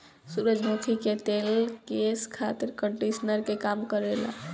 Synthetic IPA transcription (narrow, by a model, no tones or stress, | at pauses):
suɾəd͡ʒmokʰiket̪elkeskʰat̪iɾkəɳʈisnəɾkekamkəɾela̰